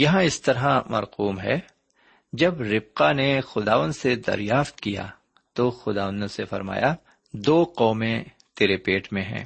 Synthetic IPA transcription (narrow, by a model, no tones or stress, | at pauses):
jɐɦãɪst̪ɐɾamɐ̰ɾquːmɦɛ̰ː | d͡ʒɐbɾɪb̚qanexʊd̪aːʋə̃nd̪sed̪ɐ̰ɾjaːft̪kija̰ | t̪oxʊd̪aːʋə̃nd̪õsefɐ̰ɾma̰ːja | d̪oːqɔːmẽ | t̪eːɾepeːʈmẽɦɛ̰̃ː